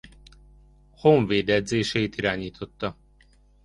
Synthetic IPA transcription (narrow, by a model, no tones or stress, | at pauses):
hoɱveːd̪ɛd̪zeːʃɛjt̪iɾaːɲiːt̪ʰo̞t̪ːɒ